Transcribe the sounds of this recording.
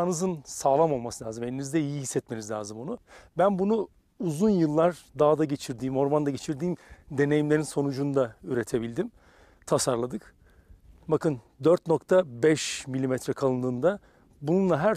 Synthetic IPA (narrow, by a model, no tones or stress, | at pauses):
anɯzɯnsaːlˠamo̞lˠmasɯlʲaːzɯme̞nʲinizd̪ɛijiɦisːɛt̪̚me̞nizʲlʲa̰ːzɯmonubænbunu | uzunjɯlˠːaɾd̪aːd̪aɟe̞t͡ʃʰiɾd̪iːmo̞ɾmand̪aɟe̞t͡ʃʰiɾd̪iːmd̪e̞ne̞jimlʲeɾinso̞nud͡ʒunud̪ayɾe̞t̪ʰe̞bilʲd̪im | t̪ʰasaɾlˠad̪ɯk | bakɯnd̪øɾt̪no̞kt̪ʰabɛʃmilʲimɛt̪ɾɛkʰalˠɯnd̪ɯːnd̪a | bununlˠaɦæɾ